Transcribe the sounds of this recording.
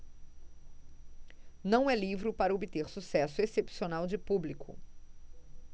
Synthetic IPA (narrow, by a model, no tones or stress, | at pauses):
nɐ̃w̃ɛlivɾʊpaɾɐobit̪eɾsusɛsʊesepsionawd͡ʒɪpublikʰʊ̰